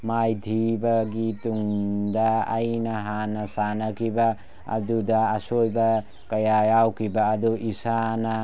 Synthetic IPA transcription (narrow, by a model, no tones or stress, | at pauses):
majdʱibɐɡituŋdɐːjnɐɦanɐsanɐkʰibɐ̰ː | dudɐːsojbɐ | kɐjajawkʰibɐːduʔisanɐ